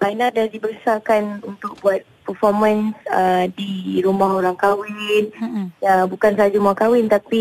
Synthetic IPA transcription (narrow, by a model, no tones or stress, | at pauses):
ʔainadahdibəɾəsakanunt̪ʊk̚buat̪̚pərfɔrmənsədiɾumaɦoɾaŋkawɪnabukansad͡ʒumakawɪnt̪api